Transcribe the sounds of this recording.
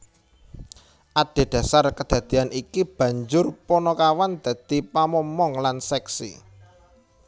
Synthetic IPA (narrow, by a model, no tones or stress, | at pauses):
ʔaɖ̥e̤d̪̥ä̤sarkəd̪̥ä̤d̪̥i̤anʔikib̥ä̤ɲd͡ʒʊrpɔnɔkawand̪̥a̤d̪̥ipamɔmɔŋlansɛksḭ